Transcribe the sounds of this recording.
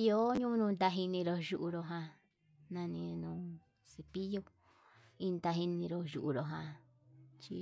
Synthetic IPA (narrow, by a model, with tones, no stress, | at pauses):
i˧o˦ɲũ˦˧nũ˧nd̪a˧ɦi˧nĩ˧ɾo˧ʒu˧ʔu˧ɾo˧ɦã˧ | nã˧nĩ˧nũː˨ | si˧pi˦jo˧ | i˦˧nd̪a˧ɦi˧nĩ˧ɾo˧ʒu˨ʔu˧ɾo˨ɦã˧ | t͡ʃi˧